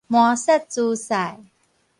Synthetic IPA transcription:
muasat͡susaj

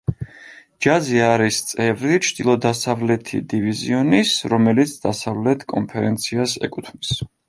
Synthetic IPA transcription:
d͡ʒaziaɾist̪sʼɛvɾit͡ʃʰd̪̥ilˠɔd̪asavlɛt̪ʰḭd̪iviziɔnisɾɔmɛlit̪sʰd̪̥asavlɛt̪ʰkʼɔnpʰɛɾɛnt̪sʰiasɛ̰kʼut̪ʰmis

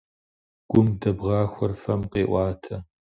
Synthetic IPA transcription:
ɡ̥ʷʊmdɐbʁɑːxʷɔrfɐmqeːʔʷɑːtʰɐ

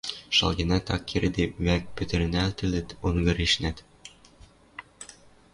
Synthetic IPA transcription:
ʃɑ̰lˠɡĕnæt̪ɑkʰʲːiɾɘd̪ewæk̚pɵ̆t̪ɘ̆ɾɘ̆nælt̪ɘ̆lɘ̆t̪oŋɡɤ̆ɾiʃnæt̪

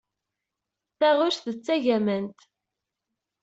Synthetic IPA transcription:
θæʁʊʃθət͡sːæʝæmənt̪

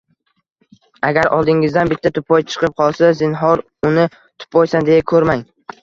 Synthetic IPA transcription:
aɡʲaɾɒ̰lˠd̪ɪŋɪzd̪anbɪt̪ʰːat̪ʰʊpʰɒjt͡ʃʰɨ̥qɨp̚qʰɒlˠsazɪnɦɒɾ | ʊnɪ | t̪ʰʊ̥pɒjsand̪e̞jakʰɵɾmaŋ

